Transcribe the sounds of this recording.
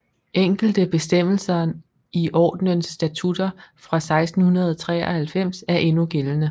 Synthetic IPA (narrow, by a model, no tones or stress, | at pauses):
ʔeŋ̰ɡ̥l̩d̥əb̥e̝sd̥em̰l̩sɐ | iʔɒ̰ːd̥nənsd̥æt͡sʰud̥ɐfʁɑ̈sɑ̈ɪsd̥n̩hunɐð̞̩ˠɒt͡sʰʁɛ̰ːɒhælfem̰sæɐʔe̝nuɡ̥elənə